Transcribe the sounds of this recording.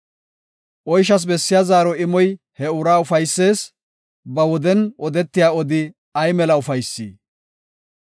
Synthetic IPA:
ʔɔjʃ̬ɐs̬bɛsːɪjazaːɾɔɪmɔj | hɛʊɾaːʊfɐjsːe̞ːs | bɐwɔd̪ɛnɔd̪ɛt̪ːɪjaːɔd̪ɪ | ɐjmɛlɐʊfɐjsːḭː

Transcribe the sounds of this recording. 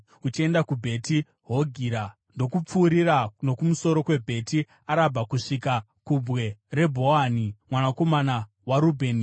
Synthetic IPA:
ut͡ʃie̞ndakubʱe̞ti | ɦo̞ɡʱiɾa | ndo̞kup͡fuːɾiɾano̞kumuso̞ɾo̞kwe̞bʱe̞ti | aɾabʱakuʂika | kubɣe̞re̞bʱo̞animwanako̞mana | waɾubʱe̞ːn

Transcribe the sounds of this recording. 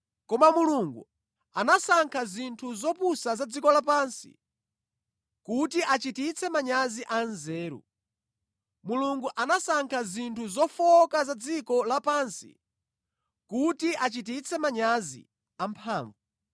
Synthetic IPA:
kɔmamuluŋɡu | anasaŋkʰazintʰuzɔpusazad͡zikɔlapansḭ | kutiʔat͡ʃitit͡sʰɛmaɲaziʔanzɛːɾṵ | muluŋɡuʔanasaŋkʰazintʰuzɔfɔkazad͡zikɔlapansḭ | kutiʔat͡ʃit̬it͡sʰɛmaɲazḭ | ampʰaːɱvu

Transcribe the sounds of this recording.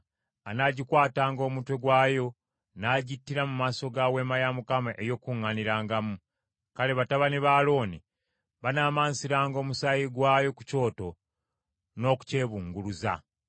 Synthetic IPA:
anaɟikwaːtaːŋɡo̞ːmutwe̞ɡwaːjo̞ | naːɟitːiɾamumaːso̞ɡawe̞ːmajamukamaʔejo̞kuŋːaniɾaːŋɡamu | kale̞βataβaniβaːlo̞ːni | βanaːmaːnsiɾaːŋɡo̞ːmusajiɡwaːjo̞ku̥co̞ːto̞ | no̞ku̥ce̞ːβuːŋɡuluza̰

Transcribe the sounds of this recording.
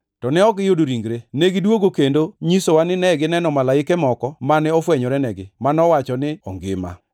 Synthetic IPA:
tɔnɛɔɡɪjodoɾiŋɡɾeneɡɪdwoɡokendoɲisowanɪnɛɡɪnɛnɔmalaɪkɛmɔkɔmanɛɔfwɛɲɔɾɛnɛɡɪmanɔwat͡ʃɔnɪɔŋɡɪ̰ma̰

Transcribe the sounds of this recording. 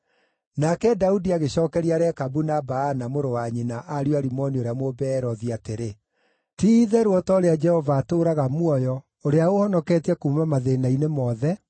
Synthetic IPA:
nakɛdaudiaɣeɕɔːkɛɾiaɾeakabunabaːnamoɾowaɲinaʔaɾjaɾimɔnioɾeamobɛɾɔðiateɾe | tiðɛɾwɔtɔoɾead͡ʒɛhɔvaːtoːɾaɣamwɔjɔ | oɾeaohɔnɔkɛtiɛkumamaðenainemɔðɛ

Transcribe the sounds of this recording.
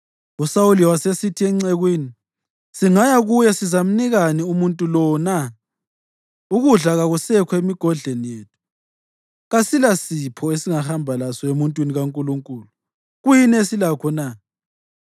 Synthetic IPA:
usawuliwasesitʰiɛŋ͡ǀɛɣwiːni | siŋajaɣujɛsizam̩niɣaniumuntʼulɔna | uɣuɮaɣaɣusɛkʰɔemiɡ̥ʱɔɮenijeːtʰu̥ | ɣasilasipʰɔesiŋahambʱalasɔemuntʼwiniɣaŋkʼuluŋkʼuːlu | ɣujinesilakʰɔna

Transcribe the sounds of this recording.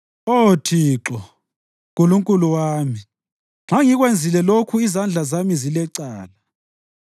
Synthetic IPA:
otʰiːǁɔ | k̬ʼuluŋkʼuluwaːmi | ŋ͡ǁaŋiɣwend͡zʱilɛlokʰuizand͡ɮʱazamizilɛǀaːla

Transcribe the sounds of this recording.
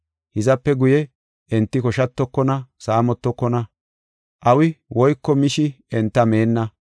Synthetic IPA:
hɪzɐpːɛɡʊjɛ | ʔɛnt̪ːɪkɔʃɐt̪ːɔkːɔnɐsaːmɔt̪ːɔkːɔnɐ | ʔɐwɪwɔjkːɔmɪʃɪ | ɛnt̪ːɐmeːnːɐ

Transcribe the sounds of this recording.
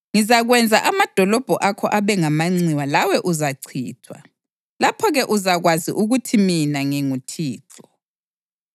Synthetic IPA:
ŋizaɣwɛnd͡zʱaʔamad̥ʱɔlɔb̥ʱɔʔakʰɔʔaβɛŋamaŋ͡ǀiwalawɛʔuzaǀʰḭːtʰwa̰ | lapʰɔɣɛʔuzaɣwazḭʔuɣutʰiminaŋɛŋutʰiːǁɔ

